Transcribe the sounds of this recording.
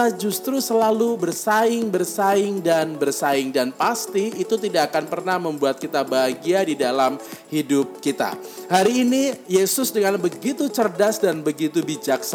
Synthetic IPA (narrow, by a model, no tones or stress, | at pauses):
ad͡ʒust̪ɾusəlalubərsaɪŋbərsaɪŋdanbərsaɪŋdanpast̪iit̪ut̪idaakanpərnahməmbuat̪̚kit̪abaɦaɡiadidalamhidʊp̚kit̪a̰ | haɾiːnijesʊsdəŋanbəɡit̪ut͡ʃərdasdanbəɡit̪ubid͡ʒaks